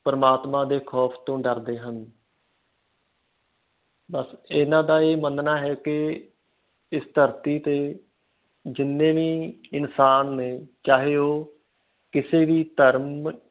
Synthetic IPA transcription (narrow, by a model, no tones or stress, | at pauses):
pəɾəmaːt̪mãːd̪eːkʰɔːpʰt̪õːɖəɾd̪eːɦən | bəsɪnãːd̪aːeːmənnaːɦɛːkɪ | ɪst̪ʰəɾt̪iːt̪eː | d͡ʒɪnːẽːʋiːɪnsaːnːeːt͡ʃaːɦeːoː | kɪseːʋiːt̪əɾm